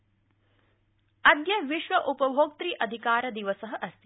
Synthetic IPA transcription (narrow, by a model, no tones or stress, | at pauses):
ɐd̪jɐʋiʃʋɐʔupɐbʱoːk̚t̪ɾiːʔɐd̪ʱikaːɾɐd̪iʋɐsɐɦɐʔɐst̪i